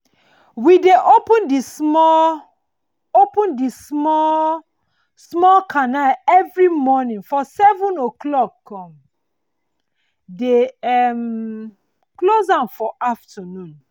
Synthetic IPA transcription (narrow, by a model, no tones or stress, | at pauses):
wideʔopə̃ndismɔ | opũndismɔ | smɔkʰanalɛvɹimɔnĩnfɔsɛvũnoklɔkkːɔ̃m | deɛm | klozãnfɔʔaftʰənũn